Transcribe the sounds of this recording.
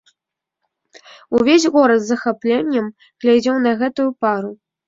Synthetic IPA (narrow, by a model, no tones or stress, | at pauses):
uvʲesʲɣɔɾɐt̪zɐxaplʲɛnʲːɛm | ɣlʲad͡zʲɛwnɐɣɛt̪ujupaɾu